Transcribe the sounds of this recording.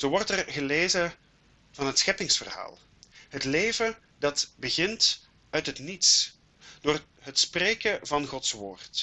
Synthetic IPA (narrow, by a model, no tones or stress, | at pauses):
z̥oːʋɔrtɛrɣəleːzə | v̥ɑnɦətsxɛpɪŋsfə̰rha̰ːlˠ | ɦətleːvə | dɑtbəɣɪnt | œɥtɦətnits | d̥oːr | ɦətspreːkəvɑnχɔtsʋo̰ːrt